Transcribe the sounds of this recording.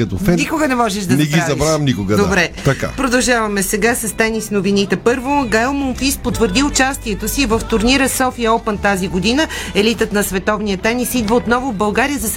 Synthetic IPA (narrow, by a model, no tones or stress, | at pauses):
kɐt̪ofɛnikʊɡənɛmɔʒɛʃd̪ɐznɛɡiazɐbɾajɐmnikʊɡɐd̪d̪oabɾɛt̪ɐka̰pɾod̪ɐlˠʒavɐmɛsɛɡasɐst̪ɛnisnovinit̪ɛpɤɾvoɡaɛlˠmonfispot̪vəɾd̪iʊt͡ʃast̪iɛt̪osivəft̪ʊɾniɾəsɔfiəɔpənt̪aziɡod̪inəɛlit̪ət̪nɐsvɛt̪ɔvnijət̪ɛnisid̪vəot̪nɔvovbɐlˠɡaɾijəzɐs